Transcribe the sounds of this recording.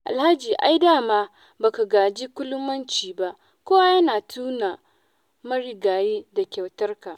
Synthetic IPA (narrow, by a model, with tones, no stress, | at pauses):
ʔa̰˨lha˦d͡ʒiː˨ʔa̰˦jdaː˦˨maː˦ | ba˨ka˨ɡaː˨d͡ʒi˦kʷʊ˦lʊ˦mːɐ˦nt͡ʃiː˨ba˦ʔ | kʷoː˦wa˦jɐ˦naː˨tʰuː˦na˨ | mɐ˦ɽi˨ɡaː˨jiː˦da˨kʲɐ˨wtɐ˦rka˨ʔ